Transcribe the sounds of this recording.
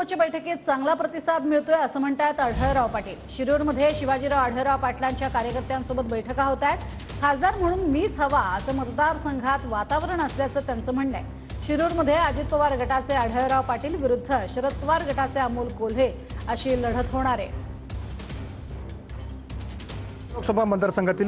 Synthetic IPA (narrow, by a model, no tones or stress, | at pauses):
ot͡ɕebəjʈʰəkeːt̪̚t͡saŋɡlapɾət̪isad̪miɭt̪oeəsəːm̤əɳt̪ajt̪əɽ̤əjɾaʋpaʈiːlɕiɾuɾməd̪ʱjeɕiʋad͡ʑiːɾaəɽ̤əjɾaʋpaʈljaɲt͡ɕjakaɾjəkəɾt̪jansobət̪bəjʈʰəkaɦot̪ajet̪ | kʰad͡zd̪aɾm̤əɽ̃uːnmiːt͡sʰəʋaəsəːmət̪d̪aɾsəŋɡʱat̪ʋat̪aʋəɾəɳəsljat͡səːt̪jant͡səːm̤əɳːḛ | ɕiɾuɾməd̪ʱːjead͡ʑit̪̚pəʋaɾɡʱəʈat͡seəɽ̤əjɾaʋpaʈiːlʋiɾud̪ʱːəɕəɾət̪ːʋaɾɡʱəʈat͡seamolkol̤e | əɕiːləɽ̤ət̪ɦoɽ̃aɾḛ | loksəbʱamənd̪əɾsəŋɡʱat̪iːl